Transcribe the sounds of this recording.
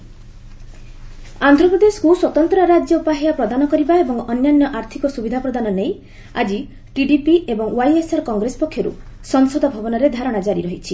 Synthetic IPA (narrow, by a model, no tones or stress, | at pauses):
and̪ʱɾɔpɾɔd̪eskuswɔt̪ɔnt̪ɾɔɾad͡ʒjɔupaɦijapɾɔd̪anɔkɔɾibaebɔŋɔnjanjɔʔaɾt̪ʰikɔsubid̪ʱapɾɔd̪anɔnej | a̰d͡ʒi | ʈiɖipiebɔŋwajesaɾɔkɔŋɡɾesɔ̥pɔkʰːjɔɾṵ | sɔŋsɔd̪ɔbʱɔbɔnɔɾed̪ʱaɾɔɽ̃ad͡ʒaɾiɾɔɦit͡ʃʰi